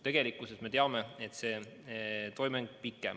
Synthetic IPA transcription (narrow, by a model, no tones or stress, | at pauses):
t̪e̞ɡ̥e̞likːˑuse̞sme̞t̪eɑme̞et̪se̞ː | t̪o̞jmeŋɡ̥pikːˑḛm